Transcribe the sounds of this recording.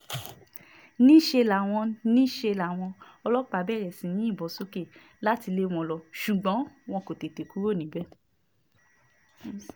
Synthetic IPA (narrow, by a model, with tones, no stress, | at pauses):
nĩ˦ʃe˧la˨w̃ɔ̃˧nĩ˦ʃe˧la˨w̃ɔ̃˧ɔ˧lɔ˦k͡pa˧˦bɛ˦˨ɾɛ˨sĩ˨˦nĩ˦i˦˨bɔ˨˦so˦ke˦˨ | la˦ti˧le˦w̃ɔ̃˧lɔ˧ʃu˨ɡ͡bɔ̃˨˦w̃ɔ̃˧ko˨te˨te˨ku˦ɾo˦˨nĩ˨˦bɛ˦˨